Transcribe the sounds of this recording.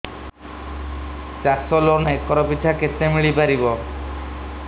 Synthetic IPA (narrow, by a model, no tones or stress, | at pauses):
t͡ʃasɔlonekɔɾɔpit̪ʰakesemiɭipaɾibɔ